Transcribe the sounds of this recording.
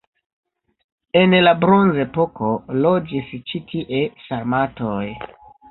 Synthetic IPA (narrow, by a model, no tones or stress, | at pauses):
e̞nlabɾonze̞po̞kolo̞d͡ʒist͡ʃitʰiʔe̞saɾmatoj